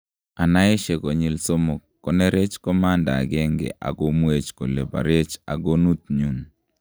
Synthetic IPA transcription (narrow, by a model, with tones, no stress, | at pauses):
a˨na˦ɪ˦ʃe˨ko˨ɲi˨lso˦mo˨kːɔ˦ne˦ɾe˦t͡ʃkɔ˦ma˦nda̰˨ɡɛ˦ŋɡḛ˨ʔa̰˨ɡo˦mwe˦t͡ʃko̰˨le˨ba̰˨ɾe˦t͡ʃa̰˨ɡo˦nu˦t̪̚ɲu˦n